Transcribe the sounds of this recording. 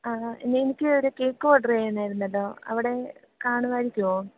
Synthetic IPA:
aːḛnːeːnikʲːɨoɾukeːkːoːɖɐreːenːaːjiɾunːɐlːo̞ːɐ̰ʋiɽe̞ | kaːɳuʋaːɾikʲːupoːum

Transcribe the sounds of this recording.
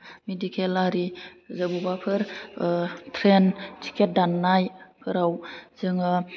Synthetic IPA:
medikʰelaɾizɯbubapʰɯɾ | tʰɾentʰi̥kʰet̚danːajpʰɯɾawzɯŋɯ

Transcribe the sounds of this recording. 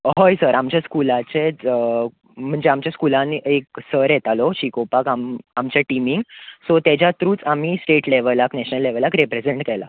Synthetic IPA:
ɦojsəɾamt͡ɕjaskulat͡ɕet͡sə | m̤əɳd͡zeamt͡ɕjaskulãniek̚səɾjɛt̪alɔɕikopakamamt͡ɕjaʈimiŋɡsɔt̪ed͡ʑjat̪ɾũːt͡sam̤isʈeʈleʋəlaknɛɕnəlːeʋəlakɾepɾed͡zeɳʈkɛla̰

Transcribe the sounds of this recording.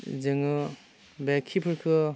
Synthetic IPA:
zeŋɯ | bekʰːipʰɯɾkʰɯ

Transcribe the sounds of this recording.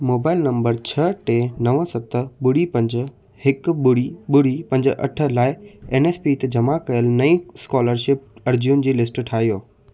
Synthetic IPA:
moːbaːɪlnɐ̃mbəɾt͡ɕʰɐʈenɐʋəsɐt̪əɓʊɽipɐ̃ɲd͡ʑ̆ | hɪkɓʊɽiɓʊɽipɐ̃ɲd͡ʑʔɐ̰ʈʰə̆laːɪeːneːspit̪ɐd͡ʑɐmakɐjəlnɐĩskɔːləɾʃɪp̚ɐɾd͡ʑiun̆d͡ʑiːlɪsʈʈʰaːɦijoː

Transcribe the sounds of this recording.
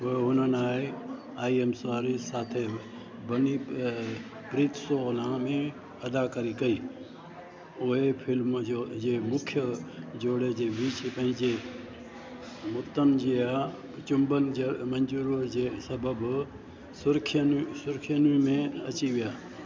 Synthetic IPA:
oɦeɦʊnənaːɦe | aːiemsʋaːɾisaːt̪ʰe | bəni | pɾiːt̪solãmẽ | ɐd̪akəɾikəiː | oɦepʰɪlmod͡ʒeːmʊkʰjəd͡ʒoːɽed͡ʒeʋiːt͡ʃpɐ̃ɦɪ̃d͡ʒe | mʊt̪ːənd͡ʒia | t͡ʃʊmbənemɐnd͡ʒuɾod͡ʒesɐbəb | sʊɾkʰjənsʊɾkʰjənĩmẽɐ̰t͡ʃiʋɪjaː

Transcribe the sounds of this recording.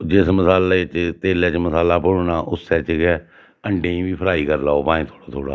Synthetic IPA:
d͡ʒɪsməsaːlaet͡ʃt̪eːlɛːt͡ʃməsaːlaːpʊɽnaːʔʊsːɛːt͡ʃkɛ | əɳɖẽːĩːʋiːpʰəɾaːiːkəɾlaːoːpãːẽːt̪ʰoːɽaːt̪ʰoːɽa̰ː

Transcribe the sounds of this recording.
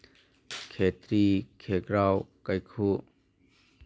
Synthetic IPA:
kʰet̪ɾikʰekɾawkajkʰu

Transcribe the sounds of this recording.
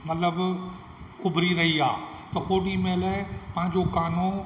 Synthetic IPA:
mɐt̪ləb | ʊbʱɾiɾɐɦiaː | t̪ɐkoːɗimẽlapɐ̃ɦɪ̃ɲd͡ʑokaːno

